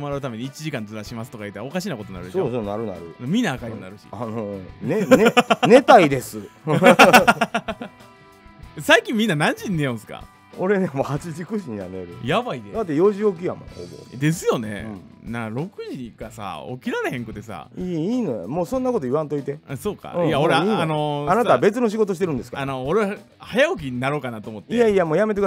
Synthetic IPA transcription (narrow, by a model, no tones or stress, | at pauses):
omaɾaɯ̟t̪ame̞ɲ̟iit͡ɕiʑikãnd͡zɨɾaɕimasɨ̥t̪o̞kait̪ao̞kaɕinakot̪o̞naɾɯ̟̥sosonaɾɯ̟na̰ɾɯ̟̃mʲĩnːaːkaɾionaɾɯ̟ɕi̥̰anonennet̪aiid̪e̞sɨ | saikʲĩmʲːĩnːanãɲ̟d͡ʑĩnːejõsɨ̥ka̰ | oɾe̞nemoːhat͡ɕiʑikɯ̟ʑiɲa̰nḛɾɯ̰jaβaid̪ed̪at̪ːejo̞ːʑiok̬ʲija̰mo̰ho̰bo̰d̪e̞sɨjo̞nẽ̞̰nãkaɾo̞kɯ̟ʑikasa̰o̰kʲiɾaɾehẽ̞ŋkɯ̟t̪e̞sa̰iiːnojja̰moːsõ̞nːako̞t̪oiβãnt̪o̞it̪e̞aso̞ːkã̰ijaoɾeiːnano̞anat̪abe̞t͡sɨno̞ɕ̬iɡo̞t̪oɕit̪eɾɯ̟̃nd̪esɨ̥kaano̞ːɾeβa | hajaok̬ʲiɲinaɾo̞ːkanat̪oːmo̞t̪ːeaijamoːjame̞t̪ekɯ